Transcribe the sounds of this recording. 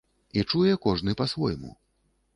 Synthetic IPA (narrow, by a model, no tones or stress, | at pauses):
it͡ʂujɛkɔʐnɨpɐsvɔjmṵ